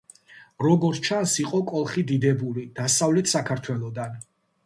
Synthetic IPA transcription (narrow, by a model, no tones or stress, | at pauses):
ɾɔɡɔɾt͡ʃʰansiqʼɔkʼɔlˠχid̪id̪ɛbulid̪̥asavlɛt̪ʰsakʰaɾt̪ʰwɛlˠɔd̪an